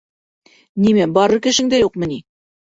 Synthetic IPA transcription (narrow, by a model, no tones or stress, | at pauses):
nimæbɒɾɤɾkɘ̆ʃɘ̆ŋd̪æjuqmɘ̆ni